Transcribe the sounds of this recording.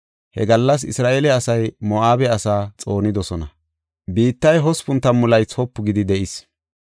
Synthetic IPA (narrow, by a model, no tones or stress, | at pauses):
hɛ̰ɡɐlːɐs̬ɪsɾaːʔelɛɐsɐjmɔʔaːbɛɐsaːt͡sʼo̞ːnɪd̪ɔsɔnɐ̰ | biːt̪ːɐjɦɔspʊnt̪ːɐmʊlɐjt͡sɔpːʊɡɪd̪ɪd̪ɛʔɪs